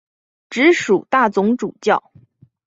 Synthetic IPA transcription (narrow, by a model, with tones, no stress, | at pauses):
ʈ͡ʂɻ̩˧˥ʂu˨˩t̪a˥˩t͡sʊ˧˥ŋʈ͡ʂu˨˩t͡ɕjɑ˥˩ʊ